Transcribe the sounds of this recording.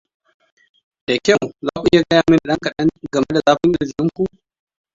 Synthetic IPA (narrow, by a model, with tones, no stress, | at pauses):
d̥a˨kʲa˦˨wzaː˦kʷu˨ʔɪ̰˦ja˨ɡɐ˦jaː˨mɪ˦nda˨ɗɐ˦ŋkɐ˨ɗɐ˦ŋɡɐ˨me˦da˨zaː˦ɸɪ˦ŋʔɪ˦˨zɪ˨mʲɪ˦ŋkʷu˦ʔ